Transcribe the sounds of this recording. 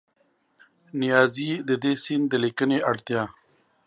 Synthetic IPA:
nɪjɑːzid̪əd̪esind̪əlikəneʔaɽt̪jɑː

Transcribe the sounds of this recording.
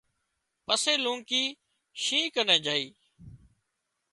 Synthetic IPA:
pəseːlũːŋkiː | ʃĩːkənẽːd͡ʒaːiː

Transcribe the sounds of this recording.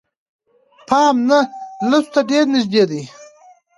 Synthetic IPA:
pʰɑːmnalast̪aɖeɾnɪʒd̪eːd̪i

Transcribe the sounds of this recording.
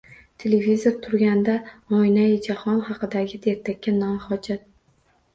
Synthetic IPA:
t̪ʰelevizoɾt̪ʰʊɾɡʲand̪amɒjnajɪd͡ʒahɒnχɑqɨd̪aɡʲɪd̪eɾt̪ʰakʲːanɒmhɒd͡ʒat̪̚

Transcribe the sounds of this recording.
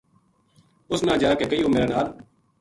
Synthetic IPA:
ʊsnãːd͡ʒaːkekəiːõːmeːɾaːnaːl

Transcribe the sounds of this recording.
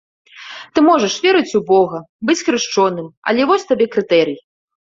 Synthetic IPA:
t̪ɨmɔʐɐʂvʲɛɾɨt͡sʲubɔɣɐ | bɨt͡sʲxɾɨʂt͡ʂɔnɨmɐ̰lʲɛvɔsʲt̪abʲɛkɾɨt̪ɛɾɨji

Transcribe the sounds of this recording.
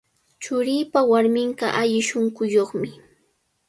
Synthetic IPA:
t͡ʃʊɾiːpawaɾmɪɴɢɑ̰ʔaʎɪʃoŋkʊjoχmɪ

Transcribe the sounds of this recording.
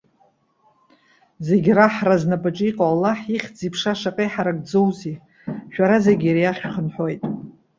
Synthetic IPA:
zeɡʲraħraznapʼaʈ͡ʂʼiqʼaalːaħiχʲd͡zipʰʂaʂaqʼeħaɾaɡʼd͡zowzi | ʃᶣaɾazeɡʲiɾijaχʲχənħo̞jtʼ

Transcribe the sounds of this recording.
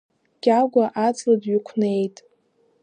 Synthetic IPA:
ɡ̥ʲaɡʷaʔat͡sʼladɥikʷʰne̞jtʼ

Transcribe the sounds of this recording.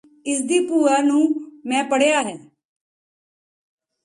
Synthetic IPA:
ɪsd̪iːpuːaːnũːmɛ̃ːpəɽejaːɦɛː

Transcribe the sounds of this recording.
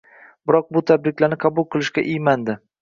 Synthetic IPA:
b̥ɪɾɒq̚bʊt̪ʰabɾɪkʲlaɾnɪqʰɑbʊlˠqʰɨlˠɪʃkʲaʔɪjmand̪ɪ

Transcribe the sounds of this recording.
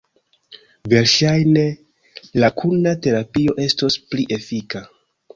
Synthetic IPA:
ve̞ɾʃajne̞ | lakʰunate̞ɾapio̞ʔe̞sto̞spliʔe̞fika

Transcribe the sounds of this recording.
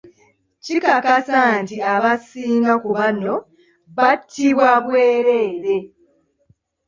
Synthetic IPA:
cikakasantiaβasiːŋɡakuβano̞ | βatʰːiβwaβweːɾe̞ːɾe̞

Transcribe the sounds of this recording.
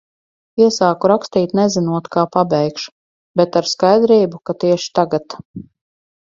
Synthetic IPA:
iɛsaːkuɾakst̪iːt̪nɛzinuɔt̪kaːpabɛjkʃ | bɛt̪aɾskajd̪ɾiːbukat̪iɛʃi̥t̪aɡat̪

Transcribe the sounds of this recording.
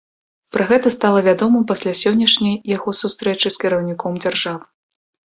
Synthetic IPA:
pɾɐɣɛt̪ɐst̪alˠɐvʲad̪ɔmɨmpasʲlʲasʲɔnʲːɐʂnʲɐjːaɣɔsust̪ɾɛt͡ʂɨskʲiɾɐwnʲikɔmd͡zʲarʐavɨ

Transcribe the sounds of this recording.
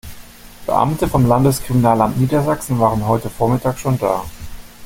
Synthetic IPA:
b̥ə̰ʔa̰mtəfɔmlandəskʁ̥iminaːlamtniːdɐzaksn̩vaːʁənɦɔʏtəfoːɐmɪtʰaːkʃoːnda̰ː

